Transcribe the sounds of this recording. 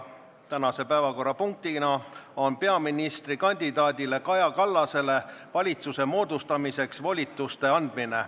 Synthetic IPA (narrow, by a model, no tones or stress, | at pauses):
t̪ænɑse̞pæːvɑko̞rːɑpuŋk̚t̪inɑo̞npe̞ɑminist̪rikɑnʲd̪̥id̪ɑːd̪ile̞kɑjɑkɑlːɑse̞le̞vɑlʲit̪suse̞mo̞ːd̪̥ust̪ɑmise̞ksvolʲit̪ːˑust̪e̞ɑnd̪̥mine̞